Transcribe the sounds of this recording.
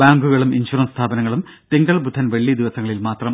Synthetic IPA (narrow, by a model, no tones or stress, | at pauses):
baːŋɡuɣɐɭuminɕurɐnst̪ʰaːbɐnɐŋːɐɭum | t̪iŋɡɐɭbud̪ʱːɐnʋeɐɭːid̪iʋɐsɐŋːɐɭilmaːt̪rɐm